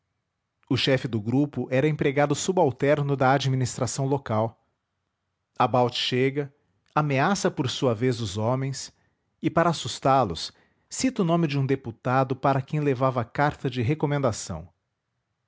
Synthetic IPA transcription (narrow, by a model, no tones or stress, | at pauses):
ʊʃɛfɪd̪ʊɡɾupʊʔɛɾɐẽpɾeɡad̪ʊsubawt̪ɛɾnʊd̪ɐad͡ʒiminist̪ɾasɐ̃w̃lokaw | abawt͡ʃɪ̥ʃeɡɐ | ameasɐpoɾsuɐvezʊzõmẽj̃s | ɪpaɾɐasust̪alʊ̰sː | it̪ʊnõmɪd͡ʒɪũd̪eput̪ad̪ʊpaɾɐkẽj̃levavɐkaɾt̪ɐd͡ʒɪɦekomẽnd̪asɐ̰̃w̃